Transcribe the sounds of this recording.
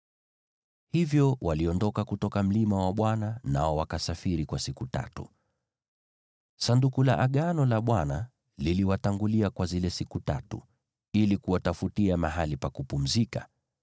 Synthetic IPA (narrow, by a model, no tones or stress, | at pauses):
hivjɔwaliɔndɔkakutɔkam̩limawaɓwananaɔwakasafiɾikwasikuta̰tṵ | sandukulaʔaɠanɔlaɓwana | liliwataŋɡuliakwazilɛsikutatṵ | ilikuwatafutiamaɦalipakupum̩zika